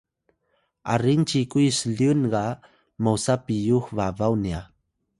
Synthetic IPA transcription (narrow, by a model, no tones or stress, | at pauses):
ʔa̰ɾiŋt͡ɕikujsəɮiunɡa | mowsapijuxvavawnia